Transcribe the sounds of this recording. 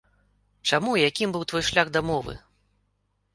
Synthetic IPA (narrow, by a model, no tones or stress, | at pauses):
t͡ʂamujakʲimbɨwt̪vɔjʂlʲaɣd̪amɔvɨ̰